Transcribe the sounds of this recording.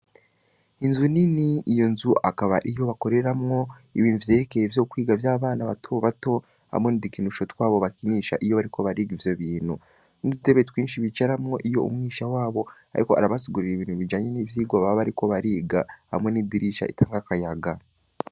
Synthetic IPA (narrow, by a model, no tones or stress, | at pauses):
inzuniniijo̞nzuʔakaβaʔijo̞βako̞ɾe̞ɾamŋo̞ | iβiːnhuvjeːkejevjo̞ːkwiːɡavjaːβaːnaβatʰoβato̞ | a̰mŋe̞nidikinuʃotkwaːβo̞βakiniːʃa̰ʔijo̞βaɾikʰo̞βaɾiːɡivjo̞βiːnhu | nidute̞βetwiːnʃiβit͡ʃaɾamŋo̞ʔijo̞̰ṵmŋiːʃawaːβo̞a̰ɾiko̞a̰ɾaβasiɡuɾiɾiβiːnhuβid͡ʒaːɲe̞niːvjiːɡoβaββaɾiko̞βaɾiːɡaha̰mŋe̞nidiɾiʃa̰ʔḭtaːŋɡakajaɡa